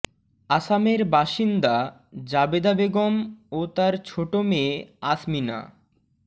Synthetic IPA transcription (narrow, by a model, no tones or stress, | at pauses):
asameɾbaʃind̪a | d͡ʑabed̪abeɡomot̪aɾt͡ɕʰoʈomeasmina̰